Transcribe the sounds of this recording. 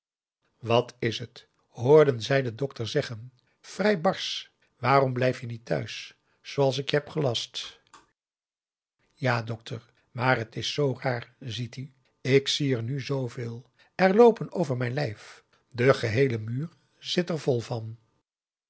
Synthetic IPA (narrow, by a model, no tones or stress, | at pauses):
ʋɑtʰɪsət | ɦʊːɹdənzɛjdədɔktəɹzɛχən | v̥rɛjbɑɹs | ʋaːɾɔmblɛjfjənitʰœ̰ɥsː | owɑlˠs̬ɪkjɦɛpχəlɑst | jaːdɔk̚tʰəɹ | maːrɦətɪsːowraːɹzity | ɪksiəɹnyzowvɪːlˠ | ɛɹlowpənowvəɹmɛjnlɛjf | dəχəɦejləmyːɹ | z̥ɪtɛɹvɔlˠvɑn